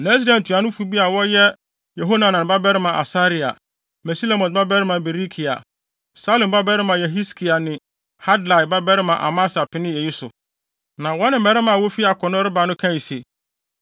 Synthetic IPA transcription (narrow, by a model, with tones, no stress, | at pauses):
nɛ̃˦sɾa˨n˨tʰu˨a˨nʊ̃˦fu˦bi˦a˨wɔ˦jɛ˦ | jɛ˨ɦo˦nã˨nã˨ba˦bɛ˦ɾɪ˦mã˨ʔa̰˨sa˦ɾi˨a̰˨ | mɛ˨si˦lo˦˨mɔ̃˨n˨ba˦bɛ˦ɾɪ˦mã˨bɛ˨ɾi˦kʰi˨a̰˨ | sa˦lo˨ba˦bɛ˦ɾɪ˦mã˨jɛ˨ɦi˦skʰi˨a˨nɪ̃˨ | ha˦dla˨jba˦bɛ˦ɾɪ˦mã˨ʔa̰˨ma˦sa˨pɪ˦nɪ̃˦jɛ˨ji˦sʊ̰˨ | nã˨wɔ˦nɪ̃˦˨˦mɛ˨ɾɪ˦mã˨wɔ˦fi˦a˨kʰɔ˨nʊ̃˦ɾɪ˦ba˨nʊ̃˦kʰã˦˨i˨se˨